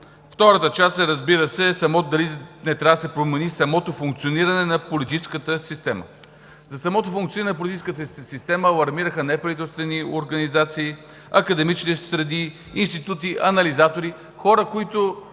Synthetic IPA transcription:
ft̪ɔɾət̪ət͡ʃast̪ɛɾɐzbiɾəsɛsɐmɔd̪ɐlinɛt̪ɾʲavd̪əsɛpɾomɛnisɐmɔt̪ofuŋk̚t̪sioniɾɐnɛnɐpolit̪it͡ʃskət̪əsist̪ɛmə̰ | zɐsɐmɔt̪ofʊuŋkt̪sioninɛnɐp̬olit̪it͡ʃiskət̪əsist̪ɛməlˠɐɾmiɾəxənɛpɾɐvit̪ɛlˠst̪vɛnioɾɡɐnizat̪siː | ɐkɐd̪ɛmit͡ʃnɛsɾɐniː | nst̪it̪ut̪iʔɐnɐlizat̪oɾi | xɔɾəkoit̪ʊ

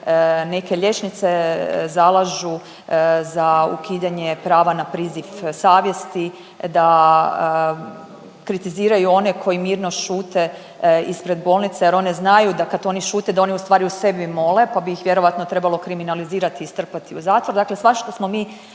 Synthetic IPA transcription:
ne̞ke̞ʎe̞t͡ʃnit̪sezalˠaʒu | zaṵkid̪aɲepɾaːʋanapɾiːzifsaːʋje̞st̪i | d̪a | kɾit̪iziːɾajuo̞ne̞kʰo̞jimiːɾno̞ʃuːt̪e | ispɾe̞d̪bo̞ːlˠnit̪sajeɾoneznajud̪akad̪o̞niʃuːt̪ed̪ao̞niust̪ʋaːɾiuse̞bimo̞le̞pabiixʋje̞ɾo̞ʋat̪not̪ɾe̞balˠo̞kɾiminaliziːɾat̪iːst̪r̩pat̪iuzaːt̪ʋoɾd̪akle̞sʋaʃt̪osmo̞miː

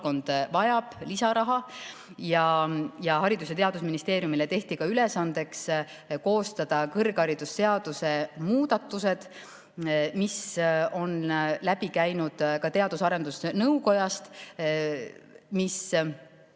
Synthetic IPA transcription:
ko̞nd̪̥vɑjɑb̥lisɑɾɑɦɑ | jɑjɑɦɑɾid̪̥us̬e̞t̪eɑd̪̥usminist̪e̞ːɾjumilet̪e̞ht̪ikɑylesɑnd̪e̞ks | ko̞ːst̪ɑd̪̥ɑkɤrɡ̥ɑɾid̪̥ust̪e̞ɑd̪̥use̞muːd̪ɑt̪ːˑuse̞d̪̥ | miso̞nlæb̥ikæjnud̪̥kɑt̪e̞ɑd̪̥usɑɾe̞nd̪̥usnɤwko̞jɑst̪ | mis

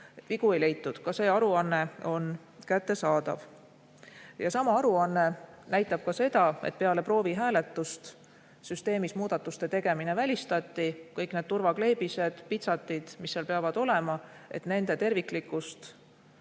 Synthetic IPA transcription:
et̪viɡ̥ue̞jle̞jt̪ːˑud̪̥kɑse̞ːɑɾuɑnːe̞o̞n | kæt̪ːe̞sɑːd̪̥ɑ̰v | jɑsɑmɑɑɾuɑnːe̞ | næjt̪ːˑɑb̥̚kɑse̞d̪̥ɑḛt̪̚pe̞ɑle̞pro̞ːviɦæːle̞t̪ːˑust̪ | syst̪e̞ːmismuːd̪̥ɑt̪ːˑust̪e̞t̪e̞ɡ̥e̞mine̞vælʲist̪ɑt̪ːikɤjkned̪̚t̪urvɑkle̞jb̥ise̞d̪̥pit̪sɑt̪ːˑid̪̥misːelpeɑvɑd̪̥o̞le̞mɑe̞̰t̪ne̞nd̪̥e̞t̪e̞rvikˑlikːˑust̪

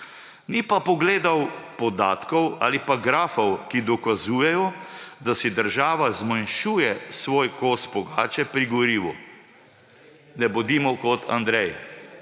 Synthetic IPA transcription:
nipapɔɡleːd̪awpɔd̪a̰ːt̪kɔwa̰ːlipaɡɾaːfɔwkid̪ɔkazuːjɛjɔd̪asid̪əɾʒaːʋazmanʃuːjɛsʋoːjkosbɔɡaːt͡ʃɛpɾiɡɔɾiːʋu | nɛbɔd̪iːmɔkɔt̪ʰa̰nd̪ɾɛj

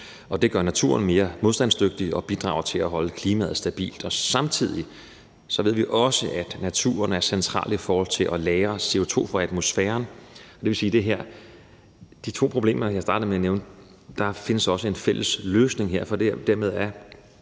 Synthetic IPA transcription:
ɒ̽d̥e̝ɡ̥ɶɐnæt͡sʰṵɐnme̝ːɐmo̝ð̞ˠsd̥ænsd̥øɡ̥̚d̥iɒ̽b̥id̥ʁɑ̈ʊɐt͡sʰe̝læɦɒ̽ləkʰliːmæð̞̩ˠsd̥æb̥ḭːld̥ɒ̽sɑ̈mt͡sʰið̞̰ˠi | sɒ̽ʋe̝ð̰ˠʋiʔɒ̽səʔæd̥næt͡sʰṵːɐnæɐsent͡sʰʁɑ̰̈ːl̥ifɒːhɒ̽l̰t͡sʰe̝lʔɒlɛːɐse̝o̝t͡sʰo̝̰ːfʁɒæd̥mo̝sfɛːɐnɒd̥e̝ʋe̝lsiːd̥e̝ɦeɐ̰ | d̥it͡sʰo̝̰ːpʰʁo̝b̥le̝̰ːmɐjɑ̈ɪsd̥ɑ̈ːd̥ð̩ˠmeæneʊn | d̥ɑ̈fe̝nəsɒ̽səe̝nfel̰əsløːsne̝ŋɦeɐ̰fɒ̽d̥ed̥æɐmeð̞ˠæɐ

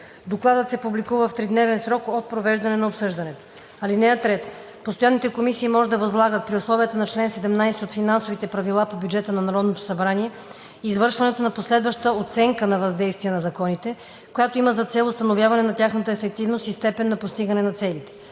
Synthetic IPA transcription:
d̪oklˠad̪ət̪sɛpublikuvəft̪ɾid̪nɛvɛnsɾɔkot̪̚pɾovɛʒd̪ɐnɛnɐopsɤʒd̪ɐnɛt̪o̥ | ɐlinɛɐt̪ɾɛt̪ | post̪ojanːit̪ɛkomisiːmɔʒɛd̪ɐvɐzlˠaɡət̪̚pɾiʊslˠɔvijət̪ənɐt͡ʃlɛnsɛd̪ɛmnajsɛot̪finansovit̪ɛpɾɐvilˠapobʲjud͡ʒɛt̪ənɐnɐɾɔd̪not̪o̥sɐbɾaniɛ | iːzvɤɾʃvɐnɛt̪onɐposlɛd̪vəʃt̪əot̪sɛŋkənɐvɐzd̪ɛjst̪viɛnɐzɐkɔnit̪ɛ | kojat̪oiməzɐt̪sɛlˠʊst̪ɐnovjavɐnɛnɐt̪ʲaxnət̪əɛfɛk̚t̪ivnost̪ist̪ɛpɛnːɐpost̪iɡənɛnɐt̪sɛlit̪ɛ̥

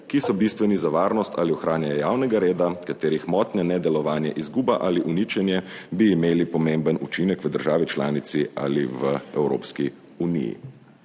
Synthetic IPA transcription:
kisɔbist̪ʋɛnizaʋaːɾnɔst̪ʰa̰liɔxɾaːnjaɛjaːwnɛɡaɾeːd̪akat̪eːɾixmɔːt̪nɛnɛd̪ɛlɔʋaːnjɛʔizɡuːbaʔaliʔunit͡ʃɛnjɛ | biːmeːlipɔmembənut͡ʃinɛkʋəd̪əɾʒaːʋit͡ʃlaːnit̪sia̰liʋəɛwɾo̰ːpski | unḭjḭ

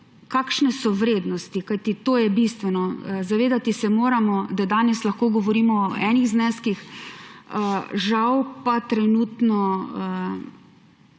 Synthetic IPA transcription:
kaːkʃnɛsɔʋɾeːd̪nɔst̪ikajt̪it̪oːjɛbist̪ʋɛnɔzaʋeːd̪at̪isɛmoːɾamɔd̪ad̪aːnɛslɐxkoːɡɔʋɔɾiːmɔːɛniɣznɛskix | əʒawpat̪ɾɛnuːt̪nɔə

